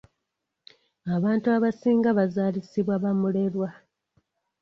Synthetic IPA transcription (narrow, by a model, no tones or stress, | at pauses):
aβaːntuaβasiːŋɡaβazaːlisiβwaβamule̞ɾwa